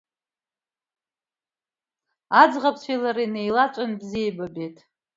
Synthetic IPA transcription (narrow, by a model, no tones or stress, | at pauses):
ad͡zʁapʰt͡ɕʷʰejlaɾinejlat͡ʃʷʼanbziebabetʼ